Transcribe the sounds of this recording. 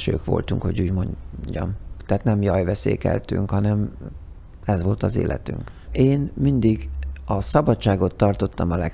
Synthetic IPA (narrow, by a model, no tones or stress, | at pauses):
ʃøːkʋo̞̰lt̪uŋkho̞ɟuːɟmo̞ɲɟɒ̰nt̪ɛːt̪nɛmjɒjvɛsḛːkɛ̰lt̪y̰ŋkhɒnɛm | ɛzʋo̞lt̪ɒzḛːlʔɛ̰t̪yŋk | eːnmind̪iɡɒsɒbɒtt͡ʃːaːɡo̞t̪ːɒrt̪o̞t̪ːɒmɒlɛ